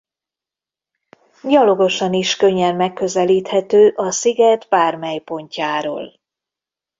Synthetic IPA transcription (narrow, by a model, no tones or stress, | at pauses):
ɟɒlo̞ɡo̞ʃɒniʃkøɲːɛnmɛkːø̞zɛliːt̪hɛt̪øːʔɒsiɡɛd̪baːrmɛjpo̞ɲcaːɾo̰ːl